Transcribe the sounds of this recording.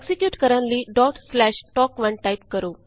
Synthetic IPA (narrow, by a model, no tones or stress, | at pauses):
ksikjuːʈkəɾə̃nliɖɔːʈslɛːʃʈɔːkʋɐ̃ɳʈaɪpkəɾoː